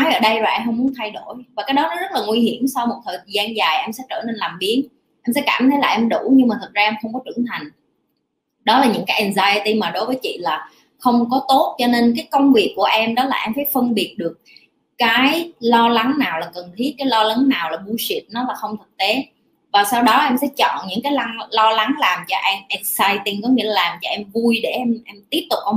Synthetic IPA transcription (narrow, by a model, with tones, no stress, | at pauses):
ɔ˨˦jʔəː˧˩ɗə˧jzo˨˩ʔɛ˧mɦə˧wŋ͡mmu˨˦ənt̪ʰa˧jɗo˧˩jvaː˨˩kaː˨˦jɗɔ˨˦nɔ˨˦zə˦˥t̚laː˨˩ŋwi˧ɦi˧˩˨əmsa˧wmo˨˩t̚t̪ʰəː˨˩jzaː˧nzaː˨˩jʔɛ˧msɛ̰˧˥t͡ɕəː˧˩ne˧nlaː˨˩mɓi˨˦ən | ʔɛ˧msɛ̰˧˥kaː˧˩mt̪ʰə˨˦jlaː˨˩ʔɛ˧mɗu˧˩ɲɨ˧ŋmaː˨˩t̪ʰɨ˨˩k̚zaː˧ɛ˧mxə˧wŋ͡mkɔ˨˦t͡ɕɨ̰˧˩əŋt̪ʰa˨˩jŋ̟ | ɗɔ˨˦laː˨˩ɲɨ̰˧˥ŋkaː˨˦jʔɛ˨˩nzaː˧jə˧t̪i˧maː˨˩ɗo˨˦jvəː˨˦jt͡ɕḭ˧˨laː˨˩ | xə˧wŋ͡mkɔ˨˦t̪o˦˥t̚t͡ɕɔ˧ne˧nk̬aː˨˦jkə˧wŋ͡mvi˨˩əkːu˧˩əʔɛ˧mɗɔ˨˦laː˨ʔɛ˧mfaː˧˩jfə˧nɓi˨˩ət̚ɗɨ˨˩ək̚ː | aː˨˦jlɔ˧la˨˦ŋnaː˨˩wlaː˨˩kə˨˩nt̪ʰi˦˥ət̚kːaː˨˦jlɔ˧la˨˦ŋnaː˨˩wlaː˨˩ɓu˧jsi˨˩˥t̚nɔ˨˦laː˨˩xə˧wŋ͡mt̪ʰɨ˨˩k̚t̪e˨˦ | vaː˨˩saː˧wɗɔ˨˦ʔɛ˧msɛ̰˧˥t͡ɕɔ̰˧˨nɲɨ̰˧˥ŋkaː˨˦jla˧ŋlɔ˧la˨˦ŋlaː˨˩mt͡ɕɔ˧ʔɛ˧mʔɛ˨˩k̚saː˧jt̪i˧ŋkɔ˨˦ŋḭ˧˥əlaː˨˩laː˨˩mt͡ɕɔ˧ʔɛ˧mvu˧jɗe˧˩ʔɛ˧mʔɛ˧mt̪i˦˥əp̚t̪ʊ˨˩k͡p̚ʔə˧